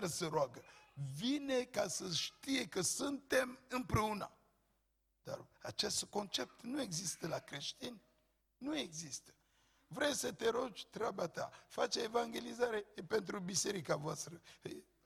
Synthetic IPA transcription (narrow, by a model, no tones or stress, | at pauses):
ɾsəɾoaɡəvine̞kasəʃt̪ije̞kəsɨnt̪e̞mɨmpɾe̞una̰ | d̪̥a̰ra̰t͡ʃest̪ko̞nt͡ʃe̞p̚t̪nue̞ɡzist̪əlakɾe̞ʃt̪inː | ue̞ɡzist̪ə̥ | vɾejsət̪e̞ɾod͡ʒʲt̪ɾabat̪a̰fat͡ʃeevaŋɡʲe̞lizaɾe̞pe̞nt̪ɾubise̞ɾikavoast̪ɾə